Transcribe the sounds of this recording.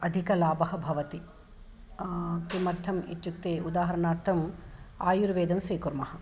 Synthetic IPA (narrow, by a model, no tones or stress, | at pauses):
ɐd̪ʱikɐlaːbɐɦɐbʱɐʋɐt̪i | t̪imɐɾt̪ʰɐmḭt̪jukt̪eːud̪aːɦɐɾɐnaːɾt̪ʰɐm | aːjuɾʋeːd̪ɐmsɾiːkuɾmɐhɐ̆